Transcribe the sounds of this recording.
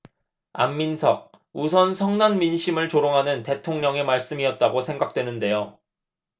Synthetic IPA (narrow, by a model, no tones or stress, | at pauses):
a̰mːinsʰʌk̚ | usʰʌnsʰʌŋnanminɕʰimɯɭt͡ɕoɾoŋɦanɯnte̞tʰoŋɲʌŋe̞maɭs͈ɯmiʌt̚t͈aɡosʰe̞ŋɡak̚t͈we̞nɯnde̞jo